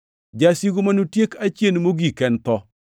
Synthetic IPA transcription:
d͡ʒasiɡumanutjekat͡ʃjenmoɡikɛntɔ

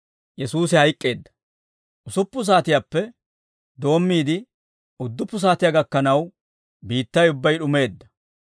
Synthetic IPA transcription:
jɛsuːsɪhɐjkʼːe̞ːd̪ːɐ̥ | ʔʊsʊpːʊs̬aːt̪ɪjaːpːɛ | d̪o̞ːmːiːd̪ɪ | ʊd̪ːʊpːʊs̬aːt̪ɪjaɡɐkːɐnɐw | biːt̪ːɐjʊbːɐjɗʊme̞ːd̪ːɐ

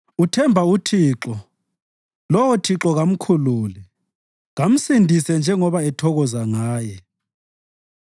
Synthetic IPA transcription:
utʰɛmbʱautʰiːǁɔ | lɔwɔtʰiǁɔɣam̩kʰuluːlɛ | ɣam̩sindʱisɛnd͡ʒʱɛŋɔβaɛtʰɔɣɔzaŋaːjɛ

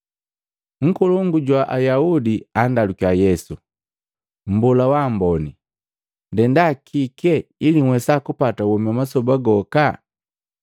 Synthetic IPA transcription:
ŋ̩kuluŋɡuɟwaʔajaudiandalukiajɛsu | m̩bulawaːmbɔni | ndɛndakʰikɛiliŋwɛsakupatawɔmiamasɔbaɡɔka

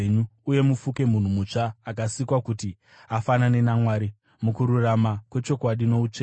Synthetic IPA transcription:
ɲuuje̞mufuke̞mun̤umut͡ʂaːkasikwakuti | afanane̞namwaːɾi | mukuɾuramakwe̞t͡ʃo̞kwaɗino̞ut͡ʂeː

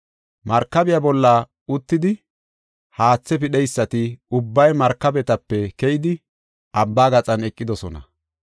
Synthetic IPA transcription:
mɐɾkːɐbɪjabɔlːɐ | ʊt̪ːɪd̪ɪ | haːt͡sːɛpɪɗɛjsːɐt̪ɪʊbːɐjmɐɾkːɐbɛt̪ɐpːɛkɛjɪd̪ɪ | ʔɐbːaːɡɐt͡sʼɐnɛkʼːɪd̪ɔsɔnɐ̰

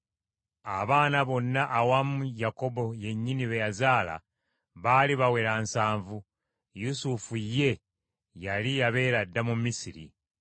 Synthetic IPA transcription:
aβaːnaβo̞nːaʔːwamujako̞bo̞je̞ɲːiniβejazaːla̰ | βaːliβawe̞ɾansaːɱvu | jusufujːe̞ | jalijaβe̞ːɾadːamumisiɾḭ

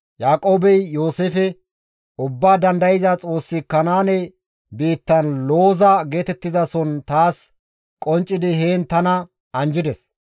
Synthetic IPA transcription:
jaːkʼoːbɛjːoːsefɛ | ʊbːaːd̪ɐnd̪ɐjɪzɐt͡sʼo̞ːsːɪkːɐnaːnɛ | biːt̪ːɐnlo̞ːzɐɡe̞ːt̪ɛt̪ːɪzɐsɔnt̪aːs | kʼɔnt͡ʃʼːɪd̪ɪheːnt̪ɐnɐ | ɐnd͡ʒɪd̪ɛs

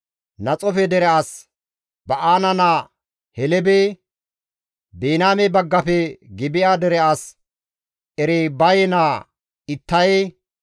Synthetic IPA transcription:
nɐt͡sʼɔfɛd̪ɛɾɛas | bɐʔaːnɐnaː | hɛlɛbeː | beːnaːmebɐɡːɐpɛɡɪbɪjaːd̪ɛɾɛas | ʔɛɾeːbɐjɛnaː | ɪt̪ːɐje

